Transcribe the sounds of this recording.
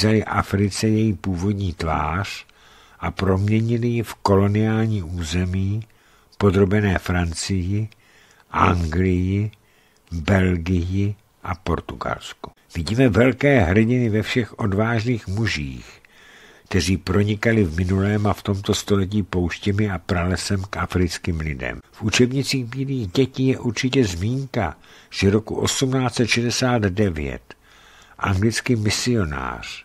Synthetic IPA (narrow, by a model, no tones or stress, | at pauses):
zalɪʔa̰fɾɪt͡sɛjɛjipuːvo̞dɲiːt̪va̰ːr̝̥ | ʔapɾo̞mɲɛɲɪlɪjɪfko̞lo̞nɪaːlɲiːʔuːzɛmiː | po̞d̪ɾo̞bɛnɛːfɾant͡sɪjɪ | ʔa̰ŋɡlɪjɪ | bɛlɡɪjɪ | ʔapo̞ɾt̪uɡa̰lsku̥ | vɪɟiːmɛvɛlkɛːɦr̩ɟɪnɪvɛfʃɛxʔo̞dvaːʒniːxmuʒḭːx | kt̪ɛr̝iːpɾo̞ɲɪkalɪvmɪnulɛːmaft̪o̞mt̪o̞st̪o̞lɛc̬iːpo̞wʃcɛmɪapɾalɛsɛmkʔafɾɪt͡skiːmlɪdɛ̰mfʔut͡ʃɛbɲɪt͡siːxbiːliːɣɟɛciːjɛʔuɾt͡ʃɪcɛzmiːŋkaʒ̥ɛɾo̞kuʔo̞̰sumnaːt͡sɛt̪ʃɛdɛsaːd̪dɛvjɛ̰t̪ | ʔa̰ŋɡlɪt͡skimɪsɪo̞na̰ːr̝̥